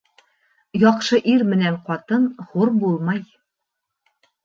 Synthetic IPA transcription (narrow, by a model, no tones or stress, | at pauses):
jɒqʃɤʔiɾmɘ̆næɴqɒt̪ɤnχuɾbulˠmɑj